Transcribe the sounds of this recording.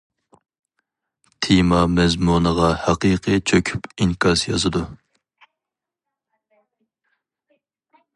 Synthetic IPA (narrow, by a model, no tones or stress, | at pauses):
t̪ʰimɑmɛzmunəʁɑhæqiqʰɨt͡ʃʰøkʲʰy̥piŋkʰɑsjɑ̰zɨd̪u